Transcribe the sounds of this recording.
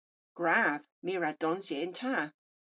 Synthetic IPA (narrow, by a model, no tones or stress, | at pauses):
ɡ̥ɹav̥ | miɹad̥ɔnsiɪntʰaː